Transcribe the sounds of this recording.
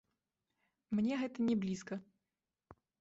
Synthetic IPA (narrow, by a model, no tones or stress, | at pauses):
mnʲɛɣɛt̪ɐnʲɛblʲiskɐ